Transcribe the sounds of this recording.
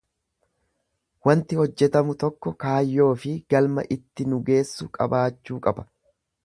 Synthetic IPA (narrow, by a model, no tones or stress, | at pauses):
wɐnt̪ɪhɔd͡ʒːɛt̪ɐmʊt̪ɔkːɔkaːjːo̞ːfɪɡ̥ɐlmɐ̰ʔɪt̪ːɪnʊɡe̞ːsːʊkʼɐ̰baːt͡ʃːuːkʼɐbɐ̥